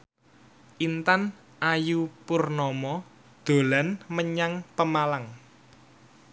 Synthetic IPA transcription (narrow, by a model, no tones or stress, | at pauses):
ʔint̪an | ʔajupurnɔmɔ | d̪̥o̤lanməɲaŋpəmalaŋ